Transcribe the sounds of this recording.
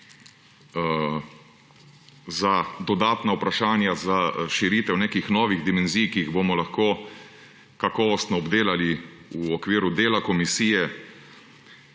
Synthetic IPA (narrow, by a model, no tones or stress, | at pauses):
zad̪ɔd̪aːt̪naupɾaʃaːnjazaʃiɾiːt̪ɛwneːkixnɔːʋiɣd̪imɛnzijkiːɣbomɔlaxkoː | kakɔːʋɔst̪nɔːbd̪eːlali | uɔkʋiːɾud̪eːlakɔmisiːjɛ